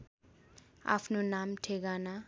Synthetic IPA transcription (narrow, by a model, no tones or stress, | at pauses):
a̰fʰnunam̩tʰekana